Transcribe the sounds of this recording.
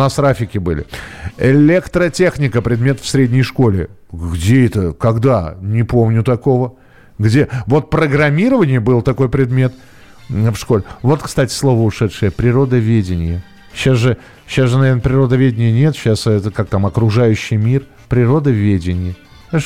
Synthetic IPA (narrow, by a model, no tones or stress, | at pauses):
nast̪ɾafʲɪkʲɪbɨlʲɪ̰ɪlʲekt̪ɾətʲe̞xnʲɪkəpɾʲɪd̪mʲe̞t̪əfsɾʲedʲnʲɪjʂko̞lʲɪ | ɡdʲeɛt̪əkɐɡd̪anʲɪpomnʲʊt̪ɐko̞və | ɡdʲevo̞t̪̚pɾəɡɾɐmʲiɾəvənʲɪjəbɨlˠt̪ɐko̞jpɾʲɪd̪mʲe̞t̪ | fʂko̞lʲɪvo̞t̪kst̪atʲɪ̥slˠo̞vəʊʂɛt̪ʂɨjəpɾʲɪɾo̞d̪əvʲedʲɪnʲɪjə | ɕasʐɨ | ɕːasʐɨnɐvʲenəpɾʲɪɾo̞d̪əvʲedʲɪnʲɪjənʲe̞t̪ɕasɛt̪əkak̚t̪amɐkɾʊʐajʉɕːɪjmʲir | pɾʲɪɾo̞d̪əvʲedʲɪnʲɪjə